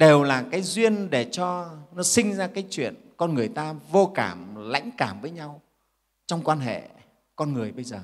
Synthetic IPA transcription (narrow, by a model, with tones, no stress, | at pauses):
ɗe˨˩wlaː˨˩kaː˨˦jzwi˧ənɗe˧˩t͡ɕɔ˧nɔ˨˦sï˧ŋ̟zaː˧kaː˨˦jt͡ɕwḭ˧˨ənkɔ˧nŋɨ˨˩əjt̪aː˧vo˧kaː˧˩mla̰˧˥jŋ̟kaː˧˩mvəː˨˦jɲa˧w | t͡ɕɔ˧wŋ͡mkwaː˧nɦḛ˧˨ | kɔ˧nŋɨ˨˩əjɓə˧jzəː˨˩